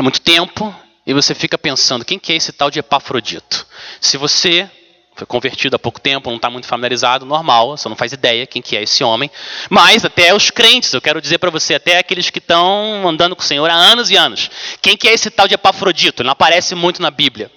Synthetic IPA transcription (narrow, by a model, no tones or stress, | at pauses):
ɛmũj̃t̪ʊ̥t̪ẽmpʊ | ɪvosefikɐpẽsɐ̃nd̪ʊkẽj̃kɪɛesɪt̪awd͡ʒɪepafɾod͡ʒḭt̪ʊ̥sɪvose | fojkõveɾt͡ʃid̪ʊapowkʊ̥t̪ẽmpʊnɐ̃w̃t̪amũj̃t̪ʊfamiljaɾizad̪ʊnoɾmawvosenɐ̃w̃fazid̪ɛjɐkẽj̃kɪɛesɪõmẽj̃majzat̪ɛʊskɾẽnt͡ʃɪ̥z̥ewkɛɾʊd͡ʒizeɾpɾɐvoseat̪ɛakelɪskɪt̪ɐ̃w̃mɐ̃nd̪ɐ̃nd̪ʊkõsẽɲoɾaɐ̃nɐzɪɐ̃nʊskẽj̃kɪɛesɪt̪awd͡ʒɪepafɾod͡ʒit̪ʊelnɐ̃paɾɛsɪmũj̃t̪ʊnɐbiblʲjɐ